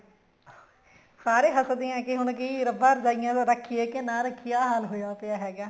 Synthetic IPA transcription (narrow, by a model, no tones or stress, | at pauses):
saːɾeːɦəsd̪ɪjãːkɪɦʊnkiɾəbaːɾd͡ʒaːɪjãːt̪ãːɾəkʰːɪjeːkɪnãːɾəkʰːɪjaːɦaːlɦoːjaːpɪjaːɦɛːɡaː